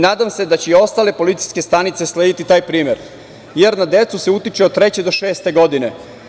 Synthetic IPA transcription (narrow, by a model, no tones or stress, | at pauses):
naːd̪amse̞d̪at͡ɕeio̞st̪ale̞po̞lit̪si̥jske̞st̪anit̪se̞sleːd̪it̪it̪aːjpɾiːmjeɾ | jeɾnad̪e̞t̪suseut̪it͡ʃeot̪t̪ɾe̞t͡ɕed̪o̞ʃe̞ːst̪e̞ɡo̞d̪ine̞